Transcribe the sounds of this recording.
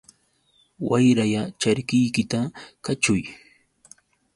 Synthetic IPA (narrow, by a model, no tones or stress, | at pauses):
wajɾajat͡ʃaɾkɪjkɪt̪akat͡ʃʊj